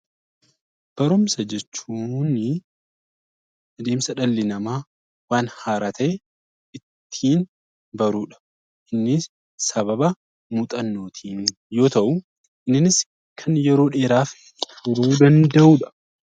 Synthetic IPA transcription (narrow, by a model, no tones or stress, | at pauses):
b̥ɐɾʊmsɐd͡ʒɛt͡ʃːuːnɪ | ɐd̪e̞ːmsɐᶑɐlːɪnɐmaː | waːnhaːɾaːt̪ʰɐʔɛ | ɪt̪ʰːiːn | bɐɾuːᶑɐ̥ | ʔɪnːɪ | sɐβɐbɐ | muːt̪ʼɐnːo̞ːt̪ʰiːn | jo̞ːt̪ɐʔʊ | ʔɪnːɪnɪs | kʰɐnjɛɾo̞ːᶑe̞ːɾaːfʼ | fʊɾuːd̪ɐnd̪ɐʔuːᶑɐ̥